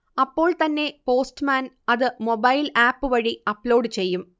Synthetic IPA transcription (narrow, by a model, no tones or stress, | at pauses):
ɐpːo̞ːɭt̪ɐnːe̞po̞ːsʈɨmaːnɐðɨmo̞bɐjlaːpːɨʋɐɻiɐpːlo̞ːɖɨt͡ɕe̞jːum